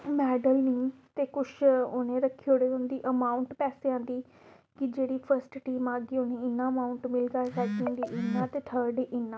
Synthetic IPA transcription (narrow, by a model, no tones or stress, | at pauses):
mɛːɖəlnĩːt̪eːkʊʃʊnẽːɾəkʰːioːɽeːʊnd̪iːʔəmãːʊɳʈpɛːseãːnd̪iː | kɪd͡ʒeːɽiːpʰəɾsʈʈiːmaːɡiʊnẽːɪnːãːəmaːʊɳʈmɪlɡaːsɛːkĩnd̪iːʔɪnːãːt̪eːt̪ʰəːɾɖeʔɪnːãː